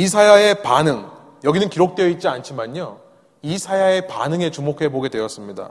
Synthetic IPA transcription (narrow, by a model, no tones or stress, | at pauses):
isʰajae̞panɯŋ | jʌɡinɯnkiɾok̚t͈weʌit̚t͡ɕ͈iant͡ɕʰimaɲo | isʰajae̞pa̰nɯŋe̞t͡ɕumokʰe̞boɡe̞dwe̞ʌs͈ɯmɲida̰